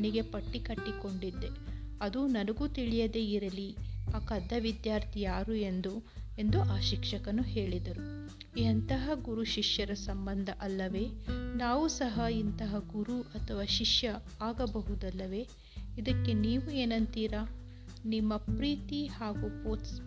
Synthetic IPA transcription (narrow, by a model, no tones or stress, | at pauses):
niɡe̞pɐʈːikɐʈːiko̞ɳɖid̪ːe̞ | ɐd̪unɐnɐɡut̪iɭijɐd̪e̞iɾɐliɐkɐd̪ʱːɐʋid̪jaːɾt̪ʰijaːɾue̞nd̪u | e̞nd̪uʔaːʃikʂɐkɐnuɦe̞ːɭid̪ɐɾu | ɐnt̪ɐɦɐɡuɾuʃiʂjɐɾɐsɐmbɐnd̪ʱɐʔɐlːɐʋe̞ːnaːʋusɐɦɐint̪ɐɦɐɡuɾuʔɐt̪ʰɐʋaːʃiʂjɐ | aːɡɐbɐɦud̪ɐlːɐʋe̞ː | id̪ɐkːe̞niːʋueːnɐnt̪iːɾa | nimːɐpɾiːt̪ihaːɡupoːs